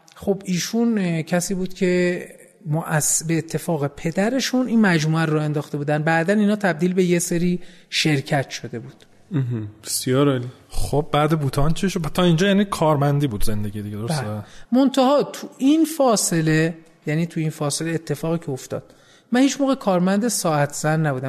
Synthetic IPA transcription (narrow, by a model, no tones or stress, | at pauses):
xobiːʃuncʰæsiːbuːd̪̥cʰe̞ | moʔæsbeːt̪ʰːe̞fɒːɣe̞pʰe̞d̪æɾe̞ʃuniːnmæd͡ʒmuːæɾɾɔe̞nd̪ɒːxt̪e̞buːd̪ænd̪̚bæʔd̪æniːnhɒːt̪ʰæb̚d̪iːlbe̞jeseɾiː | ʃe̞ɾcʰæt̪ʰʃo̞d̪e̞buːd̪̥̩ | ɦb̥esijɒːɾɒli | xob̚bæːd̪ebuːt̪ʰɒːnt͡ʃʰiʃot̪ʰɒːind͡ʒɒːjæːnikʰɒːɾmænd̪iːbuːd̪ze̞nd̪eɡiːd̪iɟeoɾobæsːmont̪ʰæhɒːt̪ʰuʔinfɒːsele | jæniːt̪ʰuiːnfɒːse̞leːt̪ʰːe̞fɒːɣiːcʰeoft̪ɒ̰ːd̪̥ | mænhiːt͡ʃmoːɣekʰɒːɾmænd̪esɒːæt̪ʰz̥ænːæbuːd̪æm